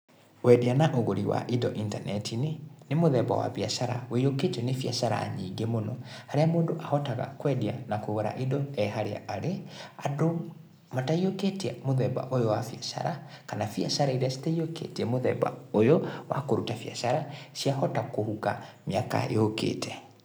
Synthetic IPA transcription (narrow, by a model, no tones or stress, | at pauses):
wɛdianaʔoɣoɾiwa̰ʔidɔʔintanɛtinenemoðɛba̰wa̰βiasaɾa̰weioketɛnefiasaɾa̰ːɲiːɡemonɔhaɾeamoːndoʔahɔtaɣa̰kwɛdianakoɣoɾa̰ʔidɔɛɦaɾea̰ːɾeado | mataioketiamoðɛba̰ʔojɔwafiasa̰ɾakanafia̰saɾaiɾeasi̥taiokḛtiɛmoðɛ̰ba̰ojɔwa̰koɾutafja̰saɾasiahɔtakohukamjaka̰ḛokḛːtʰɛ